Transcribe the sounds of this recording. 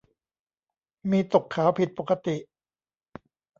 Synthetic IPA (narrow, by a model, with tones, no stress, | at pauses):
miː˧t̪o˨˩kʰːaː˩˦wpʰi˨˩t̪̚poː˨˩ka˧t̪i˨˩ʔ